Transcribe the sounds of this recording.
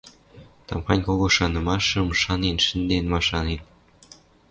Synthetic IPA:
t̪ɑ̰mxɑnʲkoɣoʃɑnɤ̆mɑʃɤ̆mʃɑnenʃə̆nd̪enmɑʃɑnen

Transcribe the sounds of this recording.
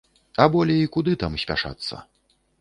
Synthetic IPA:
ɐbɔlʲɛikud̪ɨt̪amsʲpʲa̰ʂa̰t̪sːɐ̰

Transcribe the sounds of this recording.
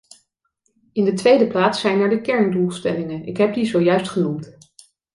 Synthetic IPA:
ɪndətʋejdəplaːtsɛjnaːɹdəkɛɹndulˠstɛlɪŋənɪkɦɛp̚dizowjœɥstχənumt

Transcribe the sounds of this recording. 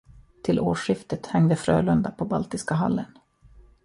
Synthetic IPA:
t̪ʰɪlʔoːʂɪft̪ət̪hɛŋd̪əfɾø̰ːlɵnd̪apʰɔbalt̪ɪskaɦa̰lːən

